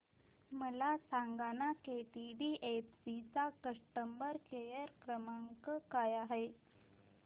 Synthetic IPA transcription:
məlasaŋɡanakeʈiɖiʔepsit͡sakəʂʈəmbəɾkejəɾkɾəmaŋkəkajaɦe

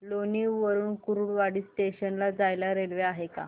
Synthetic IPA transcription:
loniʋəɾuːnkuɾuːɽʋaɽiːsʈeɕənlad͡zajlaɾelʋeaɦeka̰

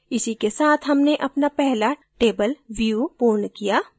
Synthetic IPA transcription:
ɪsikesaːt̪ʰɦɐmneʔɐpnapɛɦlaʈeːbəlʋiupoːnkijaː

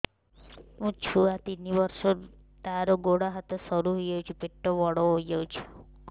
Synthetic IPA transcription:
ɦũt͡ʃʰuat̪iniʋəɾʃo | t̪aɾoɡoɽaɦət̪ɔsəɾuɦojəũt͡ʃʰupeʈːoʋɔɽoɦojjəũt͡ʃʰu̥

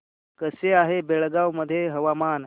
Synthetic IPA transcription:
kəseaɦebeɭɡawməd̪ʱjeɦəʋaman

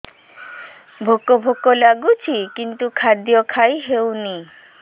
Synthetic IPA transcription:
bʱokːobʱokːolaɡut͡ɕʰikint̪ukʰad̪ijokʰajɦewni

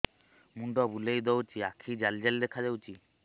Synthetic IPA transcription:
muɳɖɔbulejd̪ɔwt͡ʃiakʰid͡ʒald͡ʑald̪ɛkʰad͡ʒawt͡ʃi

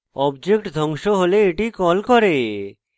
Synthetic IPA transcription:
ɔbd͡ʑek̚ʈd̪ʱɔŋʃoɦoleːʈikɔlkɔɾe

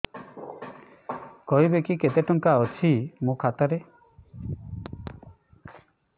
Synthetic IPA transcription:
kɔɦibekiket̪eʈɔŋkaɔt͡ʃʰimũkʰat̪aɾe

